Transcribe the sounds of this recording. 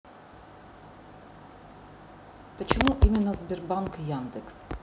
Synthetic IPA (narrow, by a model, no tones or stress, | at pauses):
pət͡ɕɪmuʔimʲɪnːɐzʲbʲɪrbankjand̪ɨks